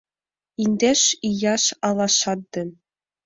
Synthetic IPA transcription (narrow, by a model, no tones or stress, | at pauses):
inʲd̪ʲeʂijɑʃɑlˠɑʃɑt̪̚d̪ɘ̆n